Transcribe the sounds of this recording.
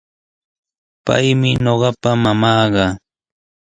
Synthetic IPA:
pa̰jmɪɲoɢɑpamamɑːɢɑ

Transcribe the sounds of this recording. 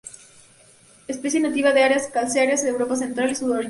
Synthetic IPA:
espesjenat̪iβaðeaɾeaskalsaɾjazðeewɾo̞pas̬e̞nt̪ɾalisuðoɾ

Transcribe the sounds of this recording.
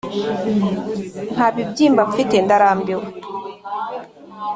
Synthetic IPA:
n̥haβibɟiːmbaβufitendaɾaːmbiwo

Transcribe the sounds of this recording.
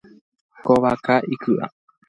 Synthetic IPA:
koβakaʔikɯʔa̰

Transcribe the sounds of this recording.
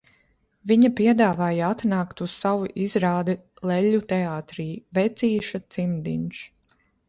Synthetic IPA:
viɲapiɛd̪aːvaːjaat̪naːkt̪ussawuʔizɾaːd̪ɛ | lˠɛʎʲːut̪ɛaːt̪ɾiːvɛt̪sʲiːʃat̪simd̪ḭnʃ

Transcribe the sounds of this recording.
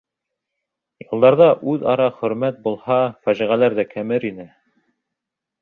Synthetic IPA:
jɤ̆lˠd̪ɑɾðɑʔʉðɑɾɑχɵ̆ɾmæt̪̚bulˠhɑfæʒiʁælæɾðækʰæmɘɾinɘ

